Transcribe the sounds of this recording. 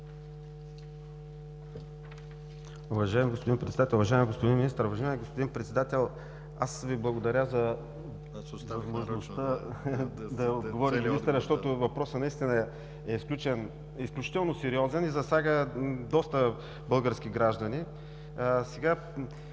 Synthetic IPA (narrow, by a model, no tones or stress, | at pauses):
uvɐʒaɛmiɡospod̪inpɾɛt̪d̪at̪ɛlˠʊvɐʒaɛmiɡospod̪inminist̪əɾovɐʒaɛmiɡospod̪inpɾɛt̪sɛd̪at̪ɛlˠ | asviblˠɐɡod̪ɐɾʲazɐ | vɐzmoʒnost̪ə | d̪ɐod̪ɡovɔɾʲimiist̪əɾzɐʃt̪ɔt̪ʊvɐpɾɔsənɐist̪inə | ɛisklʲut͡ʃɛn | isklʲut͡ʃi̥t̪ɛlˠnosɛɾiɔzɛnizɐsʲaɡəd̪ɔst̪ə | bɤlˠɡəɾsk̟ʲiɡɾaʒd̪ɐni | sɛɡa